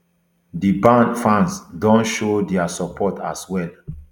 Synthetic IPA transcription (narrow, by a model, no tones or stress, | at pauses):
dibãnfãnsdɔ̃nʃodɛasɔpʰɔtʰaswɛl